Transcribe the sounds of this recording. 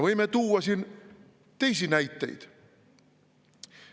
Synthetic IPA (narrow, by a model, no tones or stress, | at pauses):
ʋoimːet̪uːɑsin | t̪eisinæit̪ːḛit̪